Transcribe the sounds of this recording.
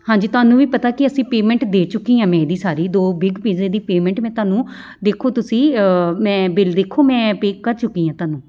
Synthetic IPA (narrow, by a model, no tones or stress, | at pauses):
hãːɲd͡ʒiːt̪ʊaːnũːʋiːpət̪aːkɪəsĩːpeːmɛ̃ɳʈd̪eːt͡ʃʊkːiːãːmɛ̃ːd̪iːsaːɾiːd̪oːbɪɡpiːzeːd̪iːpeːmɛ̃ːɳʈmɛ̃ːt̪ʊaːnũː | d̪eːkʰoːt̪ʊsĩːmɛ̃ːbɪld̪eːkʰoːmɛ̃ːpeːkːəɾt͡ʃʊkːiːãːt̪ʊaːnũː